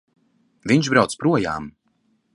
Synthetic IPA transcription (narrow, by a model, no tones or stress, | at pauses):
viɲʃbɾawt̪spɾuɔja̰ːm